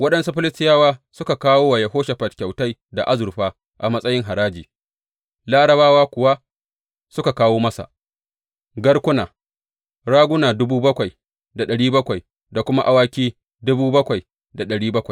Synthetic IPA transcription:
wɐ˦ɗɐ˦nsu˦ɸɪ˦lɪ˦stɪ˦jaː˦waː˦sʊ˦ka˨kaː˦woː˦wa˨jɐ˨ɦoː˦ʃa˨ɸɐ˨tkʲa˨wta˦jda˨ʔa˦zʊ˨ɸaː˦ | ʔa˨mɐ˦sʼɐ˦jɪ˦ŋɦa˨ɾaː˦d͡ʒiː˨ | laː˦ɽɐ˨baː˦waː˦kʷʊ˨wa˦ | sʊ˦ka˨kaː˦woː˦mɐ˦sa̰˨ | ɡɐ˦ɽkʷʊ˦naː˨ | ɽaː˦ɡʷʊ˦naː˨dʊ˦buː˦bɐ˦kʷa˨j | da˨ɗɐ˨ɽiː˦bɐ˦kʷa˨j | da˨kʷʊ˦ma˦ʔa˦waː˦kʲiː˦ | dʊ˦buː˦bɐ˦kʷa˨j | da˨ɗɐ˨ɽiː˦bɐ˦kʷa˨j

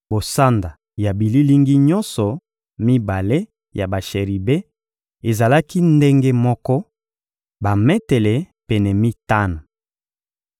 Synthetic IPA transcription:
bo˨sa˦nda˨ | ja˨bi˨li˦li˦ŋɡi˦ɲɔ˦nsɔ˨ | mi˦ba˨le˦ | ja˨ba˨ʃe˨ʁi˨be˦ | e˨za˨la˦ki˦nde˦ŋɡe˦mɔ˦kɔ˦ | ba˨mɛ˦tɛ˨lɛ˨ | pɛ˨nɛ˨mi˦ta˦na˨

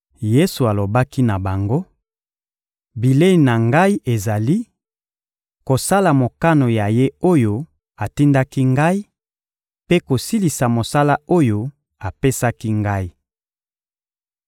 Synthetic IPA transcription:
je˦su˨a˨lo˨ba˦ki˦na˨ba˨ŋɡo˦ | bi˨le˦i˨na˨ŋɡa˦i˦ʔe˨za˨li˦ | ko˨sa˦la˨mo˨ka˦no˨ja˨je˦o˦jo˦ | a˨ti˦nda˦ki˦ŋɡa˦i˦ | pe˦ko˨si˦li˨sa˨mo˨sa˦la˦o˦jo˦ | a˨pe˦sa˦ki˦ŋɡa˦i˦

